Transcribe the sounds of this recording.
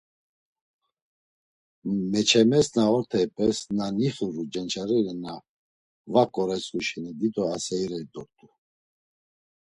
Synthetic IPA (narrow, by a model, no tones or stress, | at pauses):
mɛt͡ʃʰɛmɛsnaɔɾt̪ʰɛjpʼɛsnaniχuɾud͡ʒɛnt͡ʃʰaɾɛlɛna | vakʼɔɾɛt͡sʼuʃɛnid̪it̪ʼɔasɛiɾɛid̪ɔɾt̪ʼu